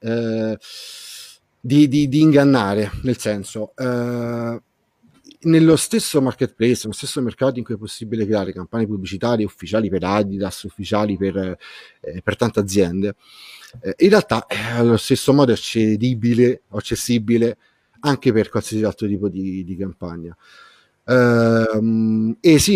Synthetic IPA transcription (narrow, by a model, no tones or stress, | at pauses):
ɛ | d̪id̪id̪iːŋɡanːaːɾenelsɛnso | nelːost̪esːomarket̪̚plejsnelost̪esːomerkaːt̪oiŋkujɛpːosːibilekɾeaːɾekampanjepublit͡ʃit̪aːɾjeufːit͡ʃaːlipeɾad̪id̪asːufːit͡ʃaːliper | pert̪ant̪ead̪zːjɛnd̪e | inrealt̪aʔɛalːost̪esːomɔːd̪oɛt͡ʃːed̪ibileoat͡ʃːesːibile | aŋk̟eperkwalsiːsialt̪ɾot̪iːpod̪id̪ikampaɲːa | mesi